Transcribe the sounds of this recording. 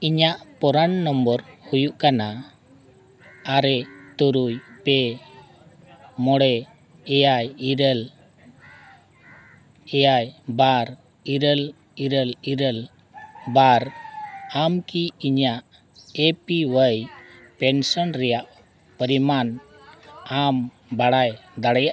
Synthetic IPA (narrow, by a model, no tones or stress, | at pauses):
iɲaʔpɔɾaɳːɔmbɔɾhujuʔkana | aɾɛt̪uɾujpɛ | mɔɽɛ | ɛjajiɾəl | ɛjajbaɾ | iɾəl | iɾəliɾəl | baɾ | amkiiɲaʔ | epiwəj | pɛnsənɾɛjaʔ | pəɾiman | am | baɽajd̪aɽɛjaʔ